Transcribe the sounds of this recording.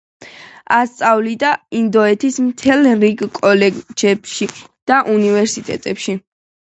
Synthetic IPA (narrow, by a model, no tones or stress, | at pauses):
ast̪sʼavlid̪aind̪ɔɛt̪ʰismt̪ʰɛlˠɾiɡkʼɔlɛd͡ʒɛbʃid̪̥aʔunivɛɾsit̪ʼɛ̰t̪ʼɛpʃi